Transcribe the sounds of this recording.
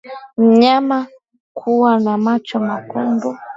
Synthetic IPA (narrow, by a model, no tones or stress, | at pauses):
m̩ɲama | kʰuwanamat͡ʃɔmakunbu